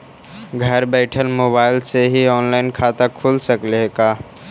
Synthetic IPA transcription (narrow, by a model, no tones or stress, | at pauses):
ɡʱɐɾbɛːʈʰənmoːbaːɪlseɦiɔːnlaːɪnkʰaːt̪akʰuːlsəkleɡaː